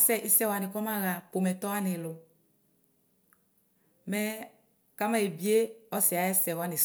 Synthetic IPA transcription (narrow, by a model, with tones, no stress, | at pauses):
sɛ˦ʔi˦sɛ˦wa˨nɪ˨kɔ˦mã˦ɣa˨po˨mɛ˨tɔ˦a˦nɪ˨lʊ˨ | mɛ˦ | ka˦mã˦e˨bi˦e˦ɔ˦sɪ˨a˨jɛ˦sɛ˨wa˦nɪ˨